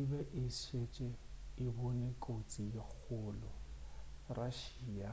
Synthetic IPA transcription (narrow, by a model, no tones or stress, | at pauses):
ibɛʔɪset͡ʃʼɛɪbʊnekʼot͡sʼijek͡xʰʊlɔ | raʃiːja